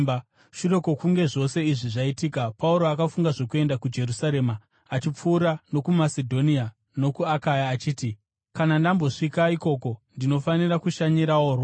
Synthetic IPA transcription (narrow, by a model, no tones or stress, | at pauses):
ʃure̞ko̞kuŋɡe̞ʐo̞se̞iʐiʐaitiːkapauɾo̞akafuŋɡaʐo̞kue̞ndakud͡ʒe̞ɾusaɾe̞ma | at͡ʃip͡fuːɾano̞kumasedʱo̞nia | no̞kuakajaːt͡ʃiːti | kanandambo̞ʂikaiko̞ko̞ndino̞fanirakuʃaɲiɾawoːrwa